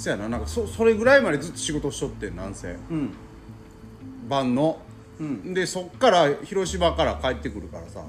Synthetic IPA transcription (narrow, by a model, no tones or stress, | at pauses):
i̥sojananãŋkasoso̞ɾe̞ɡɯ̟ɾaimad̪e̞zɨt̪ːo̞̥ɕiɡo̞t̪o̞ɕi̥o̞t̪ːe̞nːã̰ɰ̃sẽ̞̰ː | bãnːo̞ | d̪e̞so̞kːaɾaçiɾo̞ɕimakaɾakaet̪ːe̞kɯ̟ɾɯ̟kaɾa̰sa̰